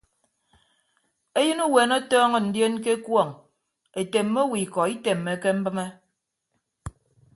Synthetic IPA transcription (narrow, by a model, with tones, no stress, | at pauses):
e˦jɨ˦nu˦we˨nɔ˦tɔː˦ŋɔ˨n̩˨dje˦nke˦kwɔ˦˨ŋ | e˨te˨mːe˦wi˨kɔ˨i˦te˨mːe˨ke˦m̩˦bɨ˦me˦